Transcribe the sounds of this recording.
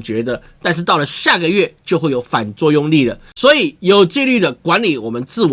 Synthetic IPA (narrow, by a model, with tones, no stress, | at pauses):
t͡ɕɥɛ˧˥d̪ə˧t̪a˥˧nʂ̬ɻ̩˥˧t̪ɑ˥˩ʊlə˩ɕja˥˩ɡə˩ɥɛ˥˩t͡ɕjo˥˧ʊxwe˥˩ɪjo˨˥ʊfa˨˩nt͡swɔ˥˧jʊ˥˧ŋli˥˩d̪ə˩swɔ˧˥i˨˩˦jo˨˩ʊt͡ɕi˥˧ly˥˩d̪ə˩kwa˧˥nli˨˦wɔ˨˩mə˦nt͡sɹ̩˥˩w